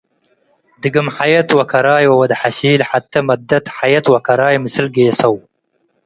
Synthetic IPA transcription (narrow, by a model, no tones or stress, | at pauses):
d̪ɨɡəmħajat̪wɐkɐɾaːjwɐwɐd̪ħaɕiːlħat̪ːamad̪ːɐt̪ħajat̪wakɐɾaːjməsɨlɡeːsɐw